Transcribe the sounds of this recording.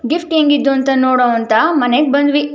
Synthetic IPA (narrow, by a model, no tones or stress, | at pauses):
ɡifʈjeŋɡid̪ːuɐnt̪ɐnoːɽoʋɐnt̪ɐmɐneɡ̚bɐnd̪ʋi